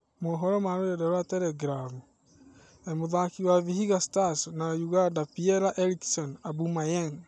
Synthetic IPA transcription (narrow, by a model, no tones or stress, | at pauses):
moɦɔɾɔmaɾodɛdɛɾwatɛɾɛɡɾamu | emoðakiwavihiɣastasnajuɣandapiɛɾaʔeɾiksɔnabumajɛŋ